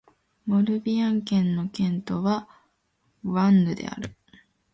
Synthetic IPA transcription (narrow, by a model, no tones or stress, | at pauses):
mo̞ɾɯ̟bʲiãŋkẽ̞nːo̞kẽ̞nt̪o̞βa | βãnːɯ̟d̪e̞̰a̰ɾɯ̟